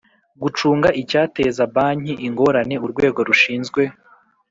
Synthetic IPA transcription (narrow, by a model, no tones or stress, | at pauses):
ɡut͡ʃuːŋɡaʔicaːte̞zabaːɲ̥iʔiŋɡo̞ɾane̞uɾɡwe̞ːɡo̞ɾuʃiːnzɡwe̞